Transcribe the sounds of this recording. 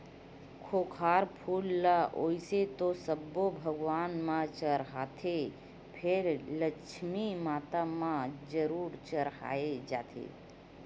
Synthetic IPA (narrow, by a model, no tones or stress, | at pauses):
kʰoːkʰaːɾpʰuːlːaoːiset̪osəbːobʱəɡʋaːnmãt͡ʃəɾɦaːt̪ʰe | pʰeɾləkʃʰmimaːt̪amãd͡ʒəɾuːɾt͡ʃəɾɦa̰ːed͡ʒaːt̪ʰḛː